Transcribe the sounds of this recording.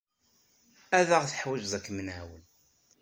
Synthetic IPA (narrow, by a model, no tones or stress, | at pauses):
æðæʁθə̥ħwæd͡ʒzˤækːmənʕæwəl